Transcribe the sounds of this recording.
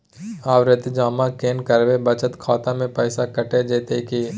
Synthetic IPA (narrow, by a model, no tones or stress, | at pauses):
aːwɾɪt̪d͡ʒaːmakeːnkɐɾʋebət͡ʃət̪kʰaːt̪ãmẽpɛːɪsakɐʈed͡ʒeːt̪eki